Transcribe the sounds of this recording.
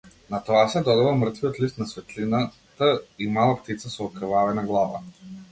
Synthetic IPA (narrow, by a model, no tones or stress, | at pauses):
nat̪ɔasɛd̪ɔd̪avamr̩t̪vijɔt̪list̪̚nasvɛt̪lina | t̪aimalˠapt̪it̪sasɔːkɾvavɛnaɡlˠava̰